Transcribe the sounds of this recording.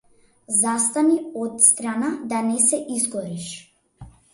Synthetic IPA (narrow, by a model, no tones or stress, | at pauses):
zast̪aniɔt̪st̪ɾanad̪anɛsɛʔizɡɔɾiʃ